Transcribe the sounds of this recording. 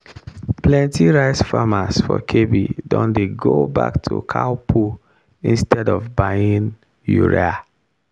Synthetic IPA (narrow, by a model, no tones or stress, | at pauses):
plɛ̃ntʰiɹaɪsfamasfɔkʰebidɔ̃ndeɡoba̰ktʰṵkʰaʊpʰu | ĩnstʰɛdɔvbaɪĩn | jṵɹḛa